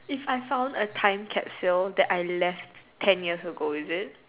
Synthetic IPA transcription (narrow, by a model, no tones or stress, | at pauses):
ifajfãʊ̃ndətʰãɪ̃mkʰɛpsildɛʔajlɛfttʰɛ̃njiəsəɡoɪzɪt̚